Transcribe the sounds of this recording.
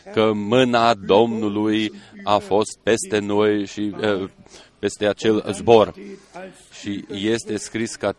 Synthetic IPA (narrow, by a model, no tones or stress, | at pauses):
kəmɨnad̪o̞mnulujafo̞st̪̚pe̞st̪e̞no̞jʃi | pe̞st̪e̞at͡ʃe̞lzbo̞r | ʃije̞st̪e̞skɾiska